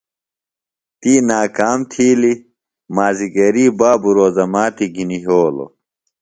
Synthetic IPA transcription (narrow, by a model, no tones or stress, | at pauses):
t̪iːnaːkaːmt̪ʰiːli | maːziɡɐɾiːbaːbuɾoːzɐmaːt̪iɡiniɦoːlo̰